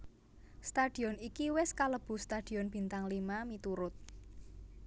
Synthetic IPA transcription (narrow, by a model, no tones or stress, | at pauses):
st̪ad̪̥i̤ɔnikiwɪskaləb̥ṳst̪ad̪̥i̤ɔnb̥i̤nt̪aŋlimamit̪uɾʊt̪̚